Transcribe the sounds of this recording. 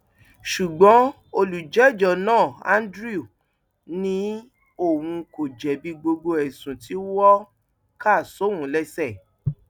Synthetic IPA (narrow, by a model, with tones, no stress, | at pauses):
ʃu˨ɡ͡bɔ̃˨˦ | o˧lu˨d͡ʒɛ˨˦˨d͡ʒɔ˨nãː˦˨ã̰˦n˦dɾi˦o˨ | nĩ˦ | o˦˨wũ˧ko˨d͡ʒɛ˨bi˧ɡ͡bo˧ɡ͡bo˧ɛ˨sũ˨ti˨˦wɔ˦ | ka˦˨so˨˦wũ˨˦lɛ˦sɛ˦˨